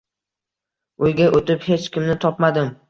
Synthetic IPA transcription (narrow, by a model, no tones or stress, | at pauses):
ojɡʲaʔot̪ɪphe̞t͡ʃkʲɪmnɪt̪ʰɒpmad̪ɪm